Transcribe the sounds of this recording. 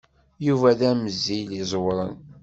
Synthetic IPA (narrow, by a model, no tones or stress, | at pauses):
juvæðæməzːilizˤwɾˤə̰n